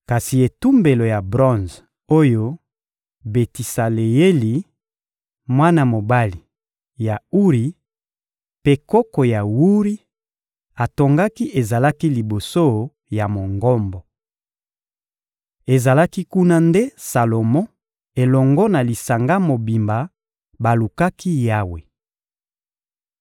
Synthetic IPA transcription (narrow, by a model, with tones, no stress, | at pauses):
ka˨si˨e˨tu˦mbe˨lo˨ja˨bʁɔ̃˦nz | o˦jo˦ | be˨ti˨sa˨le˨je˦li˨ | mwa˦na˦mo˨ba˦li˨ | ja˨u˦ʁi˨ | pe˦kɔ˦kɔ˨ja˨wu˦ʁi˦ | a˨to˨ŋɡa˦ki˦ʔe˨za˨la˦ki˦li˨bo˨so˦ | ja˨mo˨ŋɡɔ˦mbɔ˨ | e˨za˨la˦ki˦ku˦na˦nde˦sa˨lo˨mɔ̃˦ | e˨lɔ˨ŋɡɔ˦na˨li˨sa˨ŋɡa˦mo˨bi˨mba˨ | ba˨lu˨ka˦ki˦ja˦we˨